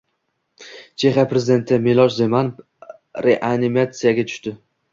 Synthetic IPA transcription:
t͡ʃʰe̞χapɾezɪd̪e̞nt̪ʰɪmelˠɒʃzeman | ɾeʔanimat̪sɨjaɡʲat̪ʰʊ̥ʃt̪ɪ

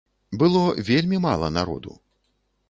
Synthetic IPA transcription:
bɨlˠɔvʲelʲmʲimalˠɐ̰naɾɔ̰d̪ṵw

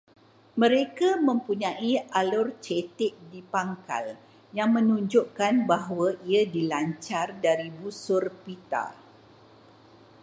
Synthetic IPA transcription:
mə̃ɾekamə̃mpuɲãʔialʊrt͡ʃet̪ɪʔ̚dipaŋka̰l | jaŋmə̃nuɲd͡ʒʊʔkanbaɦwaʔiadilaɲt͡ʃardaɾibusʊrpit̪a̰

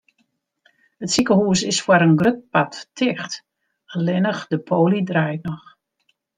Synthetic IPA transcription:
hətsikəhuːsɪsfwaɾənɡrøt̚pattʰɪxt | alɪnəxdəpʰoːlidrajtnɔx

